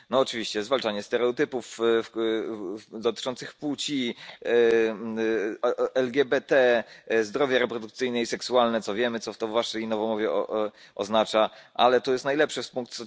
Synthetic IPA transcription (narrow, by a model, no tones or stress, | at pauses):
nɔːt͡ʂɘvʲiɕt͡ɕɛzvalt͡ʂaɲɛst̪ɛɾɛɔt̪ɘpuf | d̪ɔt̪ɘ̥t͡ʂɔnt̪sɘxput͡ɕi | ɛlɡʲɛbɛt̪ɛzd̪ɾɔvjaɾɛpɾɔd̪uk̚t̪sɘjnɛisɛksualnɛt̪ɔvʲjɛmɘt̪sɔft̪ɔvːaʂɛjnɔvɔmɔvʲjɛ̰ | ɔ̰znat͡ʂaʔa̰lɛt̪ɔjɛst̪najlɛpʂɘspuŋk̚t̪ɔ